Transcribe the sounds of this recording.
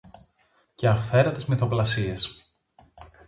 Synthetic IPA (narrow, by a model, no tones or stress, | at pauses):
ceɐfθe̞ɾɐt̪izmeθo̞plɐsie̞s